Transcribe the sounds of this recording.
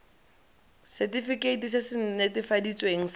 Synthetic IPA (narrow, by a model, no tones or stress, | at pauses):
sɛtifikeitis̬ɪsɪn̩netɪfadit͡sʼweŋ̩s